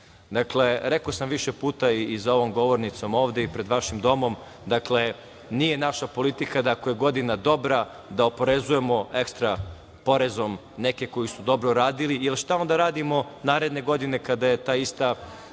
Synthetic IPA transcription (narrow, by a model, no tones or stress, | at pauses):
d̪akle̞ɾe̞kosamʋiʃepuːt̪aiːzao̞ʋomɡo̞ʋoɾnit̪so̞mo̞ːʋd̪e̞ipɾe̞d̪ʋaʃimd̪o̞mo̞m | d̪akle̞ | nije̞naʃapo̞lit̪ikad̪aako̞je̞ɡo̞d̪inad̪o̞bɾa | d̪ao̞po̞ɾezuje̞mo̞e̞kst̪ɾa | po̞ɾe̞zo̞m | neke̞ko̞jisud̪o̞bɾoɾaːd̪ilielʃt̪ao̞nd̪aɾaːd̪imo̞naːɾe̞d̪ne̞ɡo̞d̪ine̞kad̪aje̞t̪aːist̪a